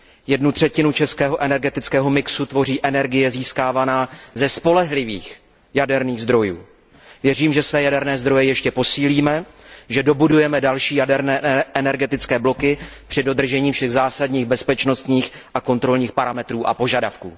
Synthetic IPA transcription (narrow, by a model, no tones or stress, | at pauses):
jɛdnut̪r̥ɛcɪnut͡ʃɛskɛːɦo̞ʔɛnɛɾɡɛt̪ɪt͡skɛːɦo̞mɪksut̪vo̞riːʔɛnɛɾɡɪjɛziːskaːvanaːzɛspo̞lɛɦlɪvḭːx | jadɛɾniːɣzd̪ɾo̞jṵː | vjɛriːmʒɛsvɛːjadɛɾnɛːzd̪ɾo̞jɛjɛʃcɛpo̞siːliːmɛʒɛdo̞budujɛmɛdalʃiːjadɛɾnɛːʔɛnɛɾɡɛt̪ɪt͡skɛːblo̞kɪpr̥ɪdo̞d̪r̩ʒɛɲiːfʃɛɣzaːsadɲiːɣbɛspɛt͡ʃno̞st̪ɲiːxʔako̞nt̪ɾo̞lɲiːxpaɾamɛt̪ɾuːʔa̰po̞ʒadafkṵː